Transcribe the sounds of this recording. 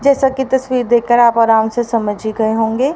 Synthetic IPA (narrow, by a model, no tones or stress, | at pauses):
d͡ʒɛːsakit̪ɐswiːɾd̪eːkəɾaːpɔːɾaːnsesɐməd͡ʒʱiɡɐeɦõːŋɡeː